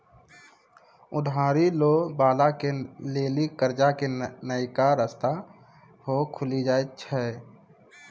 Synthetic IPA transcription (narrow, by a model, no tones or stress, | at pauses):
ʊdʱaːɾiloːbaːlakeleːlikəɾd͡ʒakenəikaɾəst̪a | hokʰʊlid͡ʒaːet͡ʃʰɛ